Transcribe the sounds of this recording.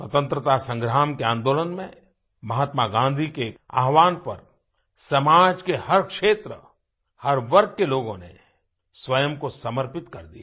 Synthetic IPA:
swɐt̪ə̃nt̪ɾət̪asɐ̃ŋɡɾaːmkeãːnd̪oːlənmẽ | mɐɦət̪maɡãːnd̪ʱikea̰ːɦʋaːnpɐɾ | sɐmaːd͡ʒkehɐɾkʃeːt̪ɾə | hɐɾʋɐɾɡ̚keloːɡõnḛ | swɐjəmkosɐməɾpɪt̪kɐɾd̪ia

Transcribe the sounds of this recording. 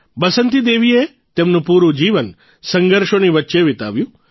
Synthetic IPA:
bəsənt̪id̪eːʋie | t̪emnũpuːɾũd͡ʒiːʋən | səŋɡəɾʃoniʋətːʃeʋɪt̪a̰ʋjũ

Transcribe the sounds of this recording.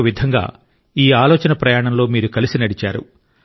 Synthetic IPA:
ʋid̪ʱɐŋɡa̰ː | iːaːlɔːt͡ʃɐnɐpɾɐjaːɳɐmlo̞ːmiːɾukɐlisinɐɽit͡ʃaːɾṵ

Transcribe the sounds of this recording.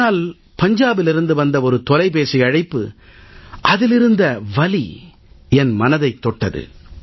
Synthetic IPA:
aːl | pɐɲd͡ʒaːbɪlɪɾɯnd̪ɯʋɐnd̪ɐɔɾɯt̪ɔlɐɪpeːsiɐɻɐɪpːɯ̰ | ʔɐðɪlɪɾɯnd̪ɐʋɐli | ɛnmɐnɐðɐɪt̪ːɔʈːɐðɯ̰

